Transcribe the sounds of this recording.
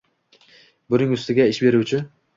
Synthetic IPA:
bʊɾɪŋʊst̪ɪɡʲaɪʃbe̞ɾuwt͡ʃʰɪ

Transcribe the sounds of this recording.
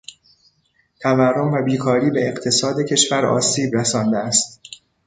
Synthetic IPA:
t̪ʰæværːomvæbiːkʰɒːɾiːbe̞ːqt̪ʰe̞sɒːd̪e̞cʰe̞ʃvæɾɒ̰ːsiːbɾæsɒːnd̪eæst̪

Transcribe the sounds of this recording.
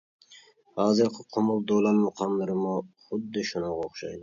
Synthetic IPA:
hɑːzɨɾqʰɪqʰomʊlˠd̪olˠɑnmʊqʰɑmlˠɨɾɨmuχʊd̪ːɪʃunɑʁɑoχʃɑ̰jd̪ɪ

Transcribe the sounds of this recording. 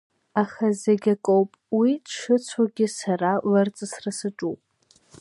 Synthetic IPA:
aχazeɡʲakʼowpʼwidʂɨt͡sʷʰaɡʲɪsaralart͡sʼɨsrasɨʈ͡ʂʼupʼ

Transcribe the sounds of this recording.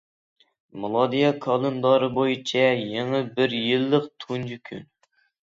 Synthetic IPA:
mɨlˠɑd̪ijɑkʰɑlˠɨnd̪ɑɾɨbojit͡ʃʰɛjeŋɨbɪɾjɪlˠːəq̚t̪ʰund͡ʒykʲʰy̰n

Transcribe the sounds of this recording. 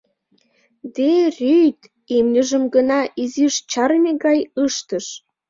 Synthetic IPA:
d̪erʲyt̪ | imnʲəʒəmɡənɑʔiziʃt͡ɕɑɾmʲeɡɑjəʃt̪əʃ

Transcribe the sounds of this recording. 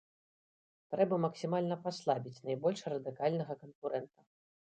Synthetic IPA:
t̪ɾɛbɐmɐksʲimalʲnɐpaslˠabʲit͡sʲnajbɔlʲʂrɐd̪ɨkalʲnɐɣɐkɐnkuɾɛnt̪ɐ

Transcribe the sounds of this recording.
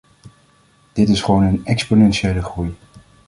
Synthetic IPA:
d̥ɪtɪsχəʋownənɛksponɛnʃiejləχruj

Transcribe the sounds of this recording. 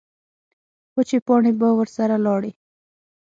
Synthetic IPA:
xʊt͡ʃepɑɳebawəɾsaɾalɑɽi

